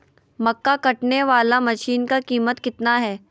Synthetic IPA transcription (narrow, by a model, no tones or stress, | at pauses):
mɐkːakɐʈneʋaːlamɐʃiːnkakiːmət̪kɪt̪naɦɛː